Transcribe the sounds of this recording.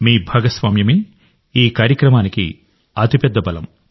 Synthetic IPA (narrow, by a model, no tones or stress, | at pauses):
miːbʱɐɡɐsʋaːmjɐmi | iːkaːɾjɐkɾɐmaːnikḭ | ɐt̪ipɛd̪ːɐbɐlɐ̰m